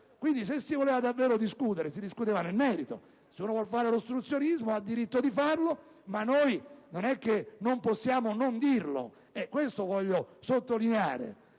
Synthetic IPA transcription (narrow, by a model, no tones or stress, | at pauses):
kwind̪is̬esːivoleːvad̪avːɛːɾod̪iskuːt̪eɾesid̪iskut̪eːvanelmɛːɾit̪o̰ | seuːnovwɔlfaːɾelost̪ɾut̪sːjonizmoad̪ːiɾit̪ːod̪ifarlo | manːojnonɛk̟ːenomposːjaːmonond̪irlo̰ | ɛkːwest̪ovɔʎːosot̪ːolinea̰ːɾḛ